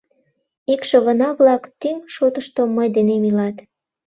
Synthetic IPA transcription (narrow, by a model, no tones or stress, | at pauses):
ikʃəɣənɑβlɑkt̪ymʃot̪əʃt̪oməjd̪enemilɑt̪